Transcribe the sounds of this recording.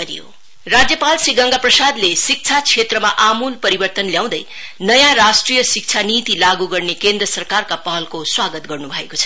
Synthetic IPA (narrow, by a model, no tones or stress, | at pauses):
ɾijo̰ | rad͡zjʌpalsiɡʌŋɡaprʌsad̪lesik̚t͡sʰat͡sʰet̪rʌmaʔamulpʌɾibʌrt̪ʌnljaw̃d̪ʌj | nʌjãrasʈrijʌsik̚t͡sʰanit̪ilaɡuɡʌrnekend̪rʌsʌrkarkapʌɦʌlkoswaɡʌt̪̚ɡʌrnubʱʌḛkot͡sʰʌ̥